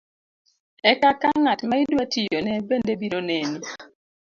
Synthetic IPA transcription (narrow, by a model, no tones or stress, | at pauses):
ɛkakaŋatmaidwatijonɛbendebiɾoneni